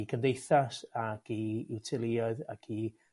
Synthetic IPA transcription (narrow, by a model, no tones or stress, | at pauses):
kʰəndejθasakʰiɪwtʰɪlˠiɔɨða̰kʰi